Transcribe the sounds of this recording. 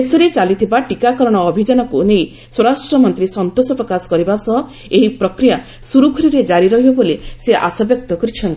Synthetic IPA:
esɔɾet͡ʃalit̪ʰibaʈikakɔɾɔɽ̃ɔːbʱid͡ʒanɔkunej | swɔɾasʈɾɔmɔnt̪ɾisɔnt̪osɔpɾɔkasɔ̥kɔɾibasɔɦɔ | eɦipɾɔkɾija | suɾukʰɔɾiɾed͡ʒaɾiɾɔɦibɔboleseʔa̰sɔbjɔk̚t̪ɔkɔɾit͡ʃʰɔnt̪i

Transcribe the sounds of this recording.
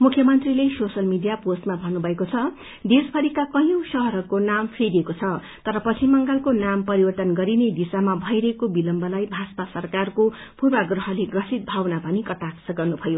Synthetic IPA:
mukʰjʌmʌnt̪rilesosʌlmidijaposʈmabʱʌnːubʱʌekot͡sʰʌ | d̪espʰʌɾikakʌjõw̃sʌɦʌɾʌkonampʰeɾiekot͡sʰʌ | t̪ʌɾʌpʌt͡sʰimʌŋɡalkonampʌɾibʌrt̪ʌnɡʌɾined̪isamabʱʌjɾʌɦekobilʌmbʌlajbʱaspasʌrkarko | purbaɡrʌɦʌleɡrʌsit̪̚bʱawnapʌnikʌʈaksʌɡʌrnubʱʌjo

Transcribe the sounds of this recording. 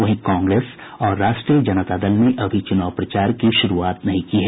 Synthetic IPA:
ʋɐɦĩkãːŋɡɾeːs | ɔːɾːaːʃʈɾijəd͡ʒɐnət̪aːd̪əlneʔɐbʱit͡ʃʊnaːʋpɾɐt͡ʃaːɾkiʃʊɾuaːt̪nɐɦĩkiɦɛː

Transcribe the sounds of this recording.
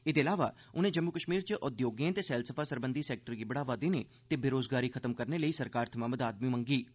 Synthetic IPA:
ɪd̪eːəlaːʋa̰ː | ʊnẽːd͡ʒəmːʊkəʃmiːɾt͡ʃəʔʊd̪joːɡẽːnt̪eːsɛːlsəpʰaːsəɾbə̃nd̪iːsɛːk̚ʈəɾɡiːbəɽaːʋad̪eneːt̪eːbeɾoːzɡaːɾiːkʰət̪əmkəɾneləiːsəɾkaːɾt̪ʰəmãːməd̪aːd̪miːmə̃ŋɡiː

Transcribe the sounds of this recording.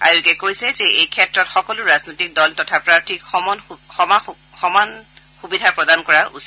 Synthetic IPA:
a̰ɹukɛkojsɛzɛejkʰɛtɹɔtxɔkɔlʊɹaznojtik̚dɔltɔtʰapɹaɹtʰikɔnxɔma | xɔman | xubidʱapɹɔdankɔɹaʔṵs

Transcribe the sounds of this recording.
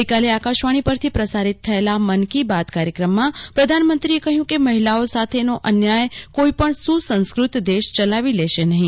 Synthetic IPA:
kaleakaʃʋaɽ̃ipəɾt̪ʰipɾəsaɾɪt̪ʰːəelamənkibad̪kaɾjəkɾəmːãpɾəd̪ʱanmə̃nt̪ɾiekəɦjũkeməɦilaosat̪ʰenoʔənjajkoipəɳsusə̃nskɾʊt̪d̪eʃt͡ʃəlaʋilɛʃenəɦĩ

